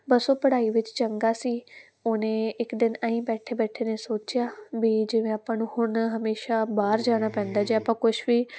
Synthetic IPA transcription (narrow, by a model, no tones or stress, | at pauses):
bəsoːpəɽaːiːʋɪt͡ʃt͡ʃəŋɡaːsiː | oːnẽːɪkd̪ɪnəĩːbɛːʈʰeːbɛːʈʰeːneːsoːt͡ʃɪjaːʋiːd͡ʒɪʋẽːaːpãːnũːhʊɳɦəmeːʃaːbaːɾd͡ʒaːɽ̃aːpɛ̃ːnd̪aːd͡ʒeːapãːkʊʃʋiː